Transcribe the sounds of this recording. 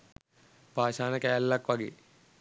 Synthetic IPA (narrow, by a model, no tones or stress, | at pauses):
paːʃaːnəkæːlːakʋaɡḛː